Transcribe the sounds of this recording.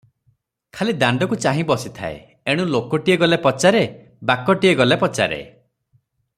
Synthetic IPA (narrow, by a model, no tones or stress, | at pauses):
kʰalid̪aɳɖɔkut͡ʃaɦĩbɔsit̪ʰa̰ḛ | eɽ̃ũlokɔʈieɡɔlepɔt͡ʃaɾe | bakɔʈieɡɔlepɔt͡ʃa̰ɾḛ